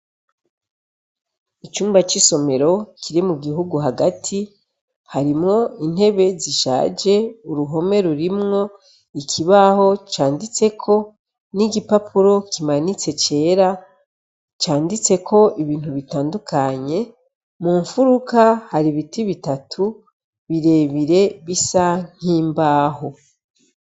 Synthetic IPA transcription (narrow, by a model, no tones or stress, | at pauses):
it͡ʃuːmbat͡ʃiso̞me̞ɾo̞kʰiɾimuɡiɦuɡuɦaɡatʰi | haɾimŋo̞in̥he̞βe̞ziʃa̰ːd͡ʒe̞uɾuɦo̞me̞ɾuɾimŋo̞ | ikʰiβaho̞t͡ʃaːndit͡se̞kʰo̞ | niɟipapʰuɾo̞kimanit͡se̞t͡ʃe̞ːɾa | t͡ʃaːndit͡se̞kʰo̞ʔiβiːnthuβitaːndukaɲe̞ | muːɱfuɾukahaɾiβitiβitatʰu | βiɾe̞ːβiɾe̞βisaŋ̥iːmbaːho̞